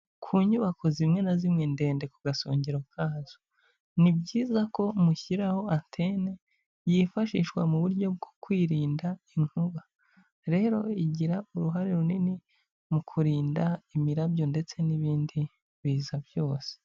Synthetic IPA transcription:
kʰuːɲuβakʰo̞zimŋe̞nazimŋende̞ːnde̞kuɡaso̰ːɲɟeɾo̞kʰaːz̥o | nibɟiːzako̞muçiɾaho̞antʰe̞ne | jifaʃiʃwa̰muβuɾɟo̞b̚ɡo̥kwiːɾiːndaiŋ̥huβa | ɾe̞ːɾo̞iɟiɾauɾuɦaɾeɾunini | mukʰuɾiːndaimiɾabjo̞nde̞t͡se̞niβiːndi | βiːzabjo̞ːse̥

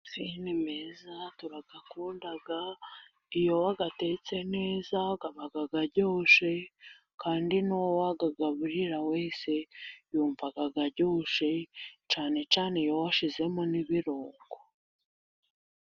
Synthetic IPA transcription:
sinimezatuɾaɡakuːndaɡa | ijo̞waɡate̞t͡se̞ne̞ːzaɡaβaɡaɡaɾɟoːʃe̞ | kaːndinuwowaɡaɡaβuɾiɾawe̞ːse̞juːɱvaɡaɡaɾɟoːʃe̞t͡ʃaːne̞t͡ʃaːneijo̞waʃize̞moniβiɾoːŋɡo

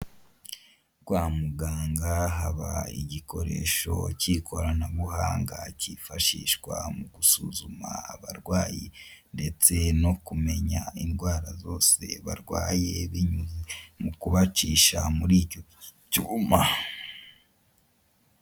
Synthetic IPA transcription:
kwaːmuɡaːŋɡaɦaβaiɟikʰo̞ɾe̞̰ʃo̞̰cikʰo̞ɾanaβuhaːŋɡacifaʃḭːʃɡwa̰muɡ̥usuzuma̰ːβaɾɡwaːjinde̞t͡se̞no̞kume̞ɲainɡwaːɾazo̞ːse̞̰βa̰ɾɡwaːje̞βiɲuimukuβat͡ʃiːʃamuɾiːco | cuma

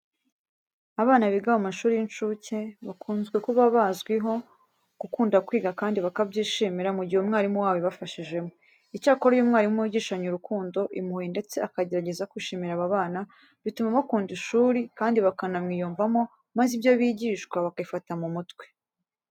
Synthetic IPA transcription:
aβaːnaβiɡawomaʃuːɾijinʃuceβakʰuːnzɡwe̞kuβaβazɡwiɦo̞ | kukuːndakwiːɡakaːndiβakabɟiːʃiːmiɾamuɟihumŋaːɾimuwaːweβafaʃiʒe̞mo | icaːko̞ɾojumŋaːɾiumuiɟiːʃaɲuɾukuːndo̞ʔḭmuhinde̞t͡se̞akaɟe̞ɾaɟe̞zakwiʃiːmiɾaβaβaːna | βitumaβakuːndiʃuːɾikaːndiβakanamŋiːjuːɱvamo̞ | mazibjo̞βiɟiːʃkwaβakaifatamumutwe

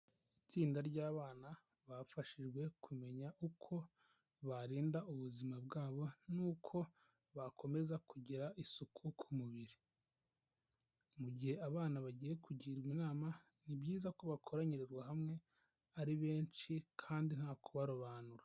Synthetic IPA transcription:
it͡siːndaɾɟaːβaːna | βafaʃiʒɡwe̞kʰume̞ɲaʔukʰo̞ | βaɾiːndaʔuβuzimabɡaːβo̞nuːkʰo̞ | βakʰo̞me̞zakʰuɟiɾaʔisukʰukʰumuβiɾi | muɟihe̞aβaːnaβaɟiːje̞kuɟiːɾɡwinaːma | nibɟiːzako̞βakʰo̞ɾaɲiɾezɡwaɦamŋe̞ | aɾiβe̞ːnt͡ʃikʰaːndin̥haːkʰoβaɾoβaːnuɾḁ

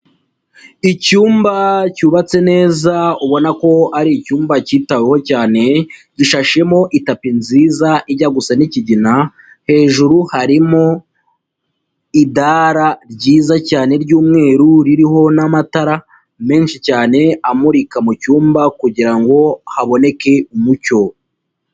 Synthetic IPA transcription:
icuːmbacuːβat͡se̞ne̞ːzauβo̞nako̞aɾiːcuːmbaciːtaweho̞caːne̞ɟiʃaʃe̞mo̞ʔitapinziːzaʔiɟaɡusaniciɟina | he̞ːʒuɾuhaɾimo̞ | idaɾaɾɟiːzacaːne̞ɾɟuːmŋe̞ːɾuɾiɾiɦo̞namataɾa | me̞ːnʃicaːne̞amuɾikamucuːmbakuɟiɾaŋɡo̞haβo̞ne̞ke̞umuco̞

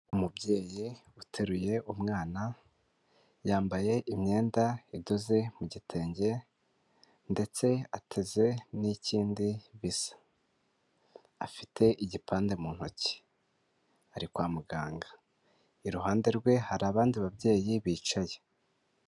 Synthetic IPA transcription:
umubɟe̞ːji | utʰeɾuje̞ʔumŋaːna | jaːmbaje̞ʔimɲe̞ːndaidoze̞muɟitʰe̞ːɲɟe̞ | nde̞t͡se̞atʰe̞ze̞niciːndiβisḁ | a̰fi̥tʰe̞ʔiɟipʰaːnde̞muːn̥ho̰ci̥ | aɾikwaːmuɡaːŋɡa | iɾuɦaːnde̞ɾɡwe̞haɾaːβaːndiβabɟe̞ːjiβiːt͡ʃaje̞

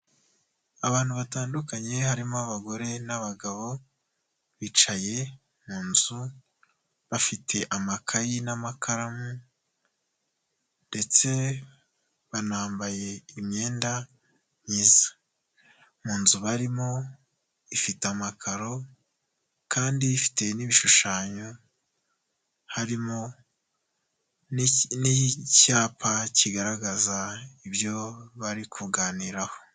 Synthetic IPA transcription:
aβaːn̥huβataːndukaɲe̞haɾimoaβaɡo̞ɾe̞naβaɡaβo̞ | βit͡ʃaje̞ | muːnzu | βafitʰe̞ʔamakʰajinamakʰaɾamu | nde̞t͡se̞ | βanaːmbaje̞imɲe̞ːnda | ɲiːzḁ | muːnzuβaɾimo̞ | ifitamakʰaɾo̞ | kaːndiːfi̥te̞niβiʃuʃaːɲo̞ | haɾimo̞ | nicaːpʰaciɡaɾaɡazaibjo̞βaɾikʰuɡaːniːɾaho̞̥

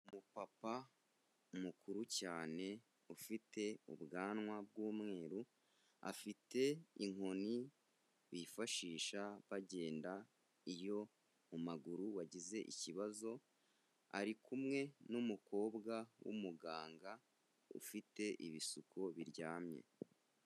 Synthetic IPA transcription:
umupapa | umukʰuɾucaːne̞ | ufite̞ṵbɡaːnŋwabɡuːmŋe̞ːɾu | a̰fite̞iŋoni | βifaʃiːʃaβaɟe̞ːnda | ijo̞ | umaɡuɾuwaɟize̞ʔḭciβazo̞ | a̰ɾikumŋe̞numukʰo̞ːbɡawṵmuɡaːŋɡa | ṵfite̞ʔiβisukʰo̞βiɾɟaːmɲe̞̰

